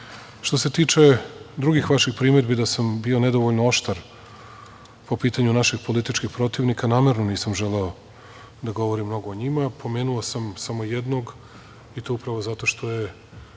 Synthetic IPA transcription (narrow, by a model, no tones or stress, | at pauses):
ʃt̪o̞se̞t̪iːt͡ʂe̞d̪ɾuɡixʋaʃixpɾiːmed̪bid̪asambio̞ned̪o̞ʋoʎnooʃt̪aɾ | po̞piːt̪aɲunaʃixpo̞lit̪it͡ʃkixpɾo̞t̪iʋnikanaːmeɾnoniːsamʒeleo | d̪aɡo̞ʋo̞ɾimːno̞ɡoːɲimapʰo̞meːnuosamsamo̞jed̪noɡ | it̪oupɾaʋozat̪o̞ʃt̪o̞je̞